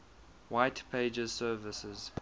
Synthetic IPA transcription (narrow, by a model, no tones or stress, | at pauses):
waɪtpʰeɪd͡ʒəz̥sɜːvəsəz̥